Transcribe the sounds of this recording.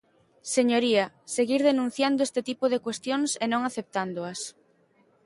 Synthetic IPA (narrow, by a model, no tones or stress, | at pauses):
seɲoɾiɐ | seɣiɾðenũn̟θjand̪ʊest̪et̪ipoðekwest̪joŋsenõŋaθep̚t̪and̪oɐs